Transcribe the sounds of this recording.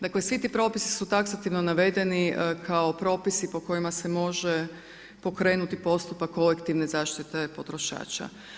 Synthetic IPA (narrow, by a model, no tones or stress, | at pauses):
d̪aklesʋit̪iːpɾo̞ːpisi̥sut̪aksat̪iʋno̞naʋe̞d̪e̞nikʰao̞pɾo̞ːpisipo̞ko̞jimase̞mo̞ʒe | po̞kɾe̞ːnut̪ipo̞st̪upakʰːo̞lekt̪iʋne̞zaːʃt̪it̪e̞po̞t̪ɾo̞ʃa̰ːt͡ʃa̰